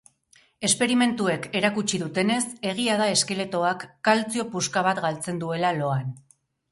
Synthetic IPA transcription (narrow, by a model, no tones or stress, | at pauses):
e̞spe̞ɾime̞nt̪ue̞ke̞ɾakut͡ʃiðut̪e̞ne̞se̞ɣ̞iaðae̞ske̞le̞t̪o̞akːalt͡sio̞puskaβ̞at̪ɡalt͡se̞nd̪ue̞lalo̞an